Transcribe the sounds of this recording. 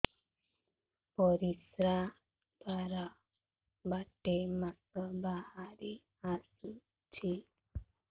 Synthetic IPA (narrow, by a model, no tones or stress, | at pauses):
pɔɾisɾa | d̪aɾa | baʈemakəbahaɾi | asu | t͡ɕi